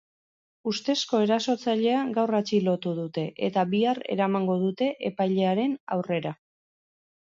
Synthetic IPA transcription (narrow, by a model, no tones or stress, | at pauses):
ust̪e̞sko̞e̞ɾaso̞t͡saʎe̞aɡawrat͡ʃilo̞t̪uðut̪e̞ʔe̞̰t̪aβiare̞̰ɾamaŋɡo̞ðut̪e̞ʔe̞pajʎe̞aɾe̞na̰wre̞ɾa